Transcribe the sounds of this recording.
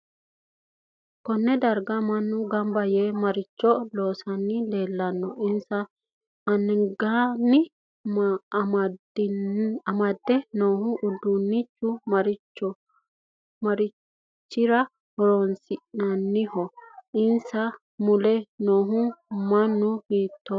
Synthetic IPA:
kɔnːɛd̪ɐɾɡɐmɐnːʊɡɐmbɐjemɐɾɪt͡ʃːɔlo̞ːsɐnːɪleːlːɐnːɔʔɪnsɐ | ɐnːɡanːɪ | m | ɐmɐd̪ːɛnoːhʊʔʊd̪ːʊnːɪt͡ʃːʊmɐɾɪt͡ʃːɔ | mɐɾɪ | t͡ʃːɪɾɐ | hɔɾɔnsɪʔnɐnːɪhɔʔɪnsɐ | mʊlɛnoːɦʊmɐnːʊhiːt̪ːɔ

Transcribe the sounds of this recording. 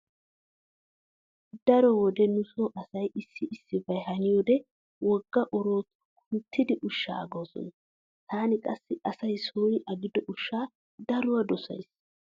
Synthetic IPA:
d̪ɐɾɔwɔd̪ɛnʊsoʔɐsɐjʔɪsːɪʔɪsːɪvɐjɦɐnɪjoːd̪ɛ | wɔɡːɐʔɔɾo̞ːt̪ | kʰʊnt̪ʰːɪd̪ɪʔʊʃːa̰ːɐɡoːsɔ̰nɐ | t̪ʰaːnɪkʼɐsːɪʔɐsɐjsoːjɪʔɐɡɪd̪ɔʔʊʃːaː | d̪ɐɾʊwɐd̪ɔsɐ̰js

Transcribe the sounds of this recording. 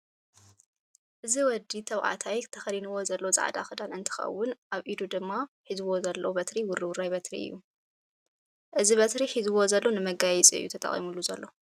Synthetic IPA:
ʔɨziwɔd̪it̪ʰɐβʕa̰t̪ʰajt̪ʰɐxɐɾinɨwo̞zɐlːoza̰ʕd̪a̰xɨd̪anɨnt̪ʰɨ̥xɐ̰wːʊnʔaβʔid̪ud̪ɨmːaħizwo̞zɐlːobɐt̪ɾiwʊɾiwʊɾajbɐt̪ɾḭɨ̰jːu | ʔɨziβɐt̪ɾiħizɨwo̞zɐlːo̞nɨmɐɡajɛt͡sʼiɨjːṵt̪ʰɐt̪ʼɐ̰χʼḭmulːuzɐlːo̞

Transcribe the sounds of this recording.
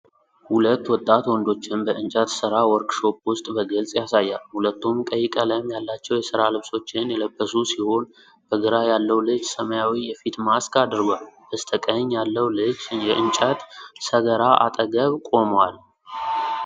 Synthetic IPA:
hulət̪ːwɔt̪ʼːat̪wɔnd̪o̞t͡ʃːɪnbəɨnt͡ʃʼət̪sɨɾawɔɾkʼʃo̞pʼwʊst̪ʼbəɡəlt͡sʼjasajːalhulət̪ːumkʼəjːɪkʼələjmjalːat͡ʃːɛwjɛsɨɾalɨβso̞t͡ʃːɪnjɛləbːəsusiho̞n | b̥əɡɨɾajalːəwlɨd͡ʒsəməjawijɛfit̪maskad̪ɾɡʷalbəst̪ʰəkʼəɲjalːəwlɨd͡ʒjɛʔɨnt͡ʃʼət̪səɡəɾaʔa̰t̪ʼəɡəβkʼo̞mwal

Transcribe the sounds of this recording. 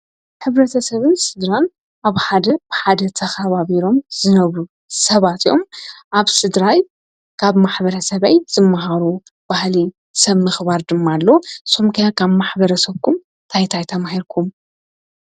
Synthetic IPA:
ħɨβɾɐt̪ʰɐsɐβɨnsɨd̪ɾan | ʔaβħad̪ɐb̥ɨħad̪ɐt̪ʰɐxɐβaβiɾo̞mzɨnɐβɾu | sɐβat̪ijo̞mʔaβsɨd̪ɾaj | kʰaβmaħbɐɾɐsɐβajz̥ɨmːaɦaɾu | b̥ahli | sɐβmɨxβaɾd̪ɨmːalːo̞somkʰɐjakʰaβmaħbɐɾɐsɐβkʰum | t̪ʰajt̪ʰajt̪ʰɐmahiɾkʰum

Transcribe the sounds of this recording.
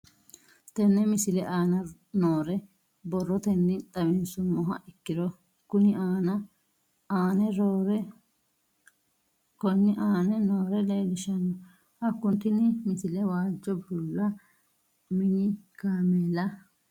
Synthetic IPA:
t̪ɛnːɛmɪsɪlɛʔaːnɐ | noːɾɛ | bɔrːɔt̪ɛnːɪt̪ʼɐmɛnsʊmɔɦɐ̰ʔɪkːɪd̪ɔ | kʊnɪaːnɐ | aːnɛɾɾ | kɔnːɪʔaːnɛnoːɾɛlelɪʃɐnɔ | hɐkːʊnt̪ɪnɪmɪsɪlɛwaːd͡ʒːɔbʊlːɐ | mɪnɪkaːmeːlɐ

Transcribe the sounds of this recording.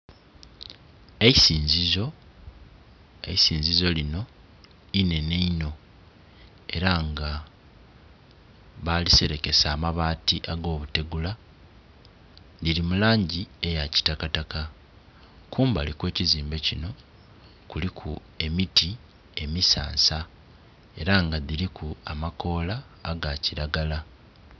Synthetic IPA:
eisiːnzizo | eisiːnzizo̞lino̞ | ine̞neino̞ | e̞ɾaŋɡa | βalise̞ɾe̞ke̞saːmaβaːtiʔaɡo̞ːβute̞ɡula | ðilimulaːɲɟie̞jaci̥takataka | kuːmbalikwe̞ːciziːmbe̞cino̞ | kulikʰu | e̞miti | e̞misa̰ːnsa | e̞ɾaŋɡaðiɾikʰuamako̞ːlaː | ɡaciɾaɡala

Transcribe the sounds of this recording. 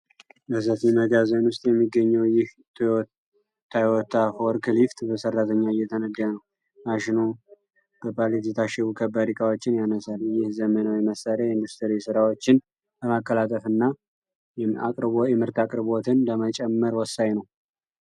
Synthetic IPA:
bəs̬əfiməɡazənwʊst̪ʼjɛmːiɡːəɲːəwjɪh | t̪ʰɔ | t̪ʰːajwɔt̪ʰːafoɾkʰɨlift̪bəsərːat̪ʰəɲːaɪjːɛt̪ʰənəd̪janəw | maʃɪnu | b̥əpʰalit̪it̪ʰaʃɛβukʰəbːaɾikʼawo̞t͡ʃːɪnjanəsaljɪhzəmənawiməsaljajind̪ust̪ʰəɾisɨɾawo̞t͡ʃːɪn | bəmakːəlat̪ʼəfɨnːa | akʼɾjɛmɨɾt̪akʼɾɨβot̪ʰɨnləmət͡ʃʼɛmːəɾwɔsːajnəw

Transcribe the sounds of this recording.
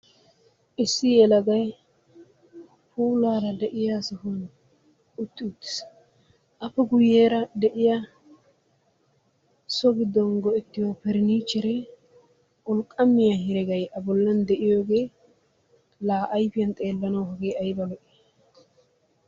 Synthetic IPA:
ʔɪsːɪjɛlɐɡɐj | puːlaːɾɐd̪ɛʔɪjasɔhn | ʊt̪ːɪʊt̪ːɪ̥s | ʔɐpːɛɡʊjːeːɾɐd̪ɛʔɪja | sɔɡɪd̪ːɔnɡɔɛt̪ːɪjopɛɾɪniːt͡ʃːɛɾɛ | ʔɔlkʼɐmːɪjaɦɪɾɛɡɐjʔɐbɔlːɐnd̪ɛʔɪjoːɡe̞ː | laːʔɐjfɪjɐnt̪ʼe̞ːlːɐnɐwhɐɡeːɐjbɐlɔʔe

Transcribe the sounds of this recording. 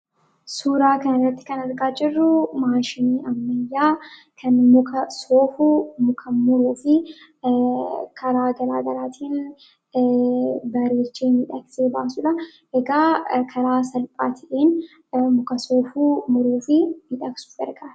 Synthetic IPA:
suːɾaːkɐnɐrɐt̪ːɪ̥kɐnɐɾɡaːd͡ʒɪrːʊmaːʃɪniːʔɐmːɐjːaː | kʰɐnmʊkʰɐsoːfʊmʊkʰɐmʊɾuːfɪ | kʰɐɾaːɡɐlaːɡɐɾaːt̪ʰiːn | bɐɾeːt͡ʃːeːmɪᶑɐkseːba̰ːsʊᶑɐ | ɛɡaːkʰɐɾaːsɐlpʼaːt̪ʰɐʔeːn | mʊkɐso̞ːfuːmʊɾuːfɪmɪᶑɐksʊ̥ɡɐɾɡaː

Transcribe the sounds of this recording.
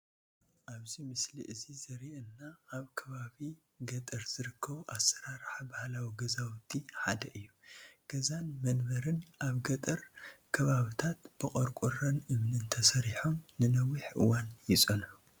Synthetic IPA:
ʔaβzimɨslḭʔɨzizɐɾiʔɨnːaːβkʰɐβaβi | ɡɐt̪ʼɐɾz̥ɨɾɨkʰːɐβuʔasɐɾaɾħabahlawiɡɐzawt̪ʰːiħad̪ɐʔɨjːuɡ̥ɐzanmɐnβɐɾɨnʔaβɡɐt̪ʼɐɾkʰɐβaβit̪ʰat̪b̥ɨkʼoɾkʼuɾɐnɨmnɨnt̪ʰɐsɐɾiħomnɨnɐwiħʔɨ̰wanjɪsʼɐn

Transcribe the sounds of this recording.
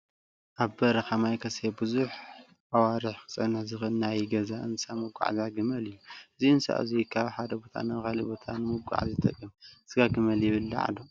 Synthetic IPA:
ʔaβbɐɾɐxamajkʰɐsebɨzuħ | awaɾɨħkɨ̥t͡sʼɐnːɨħzɨxɨnːajɡɐzaʔɨnsamɨɡʷːa̰ʕzaɡɨmɐlɨjːuɨziɨnsa̰ʔɨ̰zikʰaβħad̪ɐbo̞t̪ʰa̰nɐxalibo̞t̪ʰanɨmɨɡʷa̰ʕzɨt̪ʰʼɐ̰kʼːɨmsɨɡaɡɨmɐljɪβɨlːa̰ʕa̰d̪o

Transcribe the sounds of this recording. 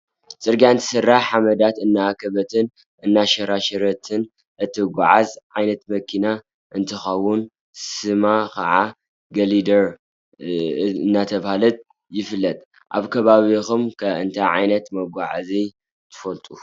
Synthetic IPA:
t͡sʼɨɾɡaɨnt̪ʰɨ̥sɨrːaħħamɐd̪at̪ɨnːaːkʰɐβɐt̪ʰɨn | ʔɨnːaʃɐɾaʃɐɾɐt̪ʰɨn | ʔɨt̪ʰːɨɡʷaʕazʕajnɐt̪mɐkʰina | ʔɨnt̪ʰɨxɐwːʊn | sɨmakʰɐ̰ʕa | ɡɐlid̪ɐɾ | nːat̪ʰɐβhalɐt̪̚ʼ | jɪfɨlːɐt̪ʼ | ʔa̰βkʰɐβaβixumkʰɐɨnt̪ʰaʕa̰jnɐt̪mɐɡʷaʕazi | t̪ʰɨ̥fɐlt̪ʼu

